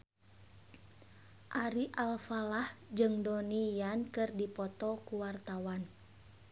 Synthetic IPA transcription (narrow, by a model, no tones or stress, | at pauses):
ʔaɾiʔalfalahd͡ʒɨŋdɔnijankɨrdipɔt̪ɔkuwart̪awan